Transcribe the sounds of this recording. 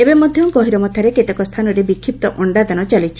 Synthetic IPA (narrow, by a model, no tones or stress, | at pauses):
ebemɔd̪ʱjɔkɔɦiɾɔmɔt̪ʰaɾeket̪ekɔst̪ʰanɔɾebikʰːip̚t̪ɔʔɔɳɖad̪añɔt͡ʃalit͡ʃʰi